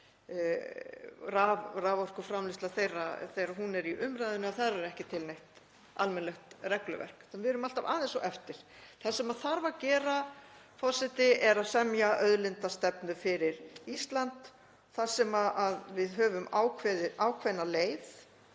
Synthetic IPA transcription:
ravraːvɔr̥kʏfɾamlɪst̪aθejraθejɾaɦunɛɾiʔʏmɾajðʏnʏaθaɾaɛɾɛhcɪt̪ʰɪlnejht̪ | a̰lmɛnlɛxt̪rɛklʏ̰vɛ̰r̥kθvɪɾʏmalt̪ava̰ːðɛnsɔʔɛft̪ɪɾ̥θḁsɛmaðθaɾvacɛːɾa | fɔ̥sɪt̪ɪɛɾaðsɛmjaʔœðlɪnt̪ast̪ɛpnʏfɪɾɪɾist̪lant̪ | θḁsɛmaʔaðvɪðɦœːvʏmaːwkʰvɛðɪʔaːwkʰvɛjnaleːjθ

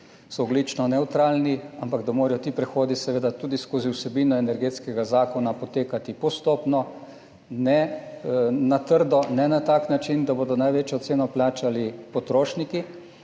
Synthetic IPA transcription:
sɔːɡlit͡ʃnɔnɛwt̪ɾaːlniampaɡd̪amoːɾɛjɔt̪iːpɾɛxoːd̪isɛʋeːd̪at̪uːd̪iskoːziwsɛbiːnɔɛnɛɾɡet̪skɛɡazaːkɔnapɔt̪eːkat̪ipɔst̪oːpnɔ | nɛ | nat̪əɾd̪ɔnɛnat̪aːknat͡ʃind̪abod̪ɔnajʋeːt͡ʃjɔt̪seːnɔplaːt͡ʃalipɔt̪ɾoːʃniki

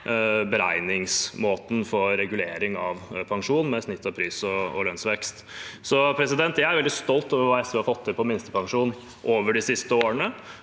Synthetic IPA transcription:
bəɾæɪnɪŋsmoːt̪n̩fɔɾɛɡʉleːɾɪŋɑʋpʰɑŋʂuːn̩mɛsnɪt̪ːɑpʰɾyːsɔɔ̰lœnsʋɛkst̪sɔpʰɾɛsɪd̪ɛnt̪jæɪæɾʋɛld̪ɪst̪ɔlt̪oːʋəɾʋɑːɛsəʋɪhɑfɔt̪ʰːɪlpʰɔmɪnst̪əpʰɑŋʂuːn | ʔoːʋəɖɪsɪst̪əoːɾəɳə

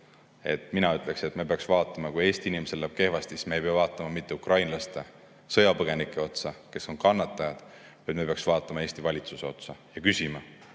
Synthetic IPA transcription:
e̞t̪ːˑminɑyt̪ːˑle̞kse̞t̪ːmepe̞ɑksvɑːt̪ːˑɑmɑkuje̞ːsʲt̪iinimese̞lːæb̥ke̞hvɑst̪sismeejpeɑvɑːt̪ːˑɑmɑmit̪ˑːe̞ukrɑjnlɑst̪e̞ | sɤ̞jɑpɤɡ̥e̞nikːˑe̞o̞t̪sɑke̞so̞nkɑnːɑt̪ːˑɑjɑd̪̥ | vɑjd̪mepeɑksv̥ɑːt̪ːˑɑmɑe̞ːst̪ivɑlʲit̪suse̞o̞t̪sɑjɑkysimɑ

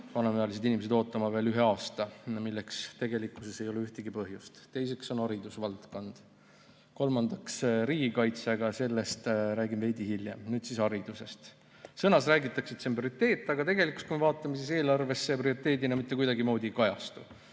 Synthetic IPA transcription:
vɑnɑmeɑlise̞d̪inimese̥o̞ːt̪ːˑɑmɑve̞ːlyɦe̞ɑːst̪ɑmilːe̞kst̪e̞ɡe̞likːˑusese̞jo̞leyht̪eɡ̥ipɤɦjust̪t̪e̞jse̞kso̞nɑɾid̪usvɑlt̪ko̞nd̪̥ | ko̞lmɑnd̪̥ɑksɾiːɡikɑjt̪sɑɡ̥ɑse̞lːe̞st̪ɾæːɡimve̞jd̪ihiljemnyːd̪̥sisɑɾid̪̥use̞st̪ | sɤnɑsræːɡit̪ːˑɑksid̪̥semp̬oɾit̪ːe̞ːt̪ˑːɑɡ̥ɑt̪e̞ɡe̞likulst̪kumevɑːt̪ːˑɑmesise̞ːlɑrve̞sːe̞priorit̪ːˑe̞ːd̪inɑmit̪ːe̞kujd̪ɑɡimo̞ːd̪̥ʲikɑjɑst̪u

